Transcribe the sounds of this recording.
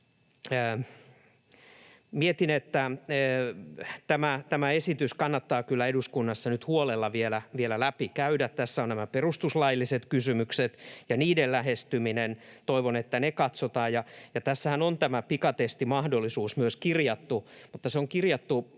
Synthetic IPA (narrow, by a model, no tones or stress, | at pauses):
miet̪inet̪ːæː | t̪æmæt̪æmæesit̪yskɑnːɑt̪ːɑːkylːæeduskunːɑsːɑnyt̪huolelːɑʋielæʋielælæpikæydæt̪t̪æsːæonnæmæperust̪uslɑjlːiset̪kysymykset̪jɑniːdellæhest̪yminent̪oiʋonet̪ːænekɑt̪sot̪ɑːjɑjɑt̪æsːæhænont̪æmæpikɑt̪est̪imɑhdolːˑisuːsmyøskirjɑt̪ːumut̪ːɑseoŋkirjɑt̪ːu